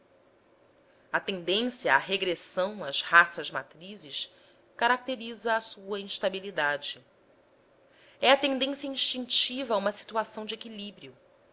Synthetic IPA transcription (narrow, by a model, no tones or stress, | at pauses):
ɐt̪ẽnd̪ẽsjɐaɦeɡɾesɐ̃w̃azhasɐzma̰t̪ɾizɪʃ | kaɾak̚t̪eɾizɐːsuɐĩʃt̪abilid̪ad͡ʒɪ | ɛɐt̪ẽnd̪ẽsjɐĩʃt͡ʃĩŋt͡ʃivɐũmɐsi̥t̪uasɐ̃w̃d͡ʒekilibɾiʊ